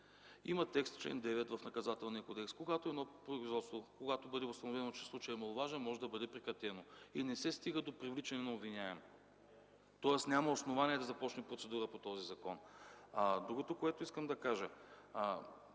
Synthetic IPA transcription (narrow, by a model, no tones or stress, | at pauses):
imɐt̪ɛkst̪t͡ʃlɛ̰nd̪ɛvɛt̪vɐfnɐkɐzat̪ɛlˠniəkod̪ɛkskoɡat̪oɛd̪nɔpɾoizvɔt̪st̪vokoɡat̪obɤd̪ɛost̪ɐnovɛnot͡ʃɛ̥slˠut͡ʃəjɛmɐlˠovaʒɛnmɔʒɛd̪ɐbɤd̪ɛpɾɛkɾɐt̪ɛnoinɛsɛst̪iɡəd̪opɾivlit͡ʃɐnɛnɐobvinʲaɛn | t̪ɔɛsnʲamɐosnovanʲiɛd̪ɐzɐpɔt͡ʃnɛpɾotsɛd̪uɾəpot̪ɔzizɐkɔnad̪ɾuɡot̪okoɛt̪oiskəmd̪ɐkaʒə